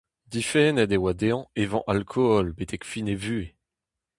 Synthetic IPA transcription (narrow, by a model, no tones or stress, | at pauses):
d̪ifɛnɛd̪ewad̪eɑ̃evɑ̰̃ʔalkʰɔɔlbet̪ʰɛkfinevye